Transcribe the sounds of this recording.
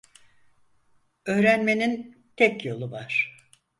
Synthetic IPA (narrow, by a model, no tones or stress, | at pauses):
ø̞ːɾænme̞nin | t̪ʰɛcjo̞lˠuvaɾ̥